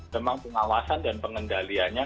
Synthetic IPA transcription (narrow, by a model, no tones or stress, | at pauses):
təmaŋpəŋawasandanpəŋəndalianɲa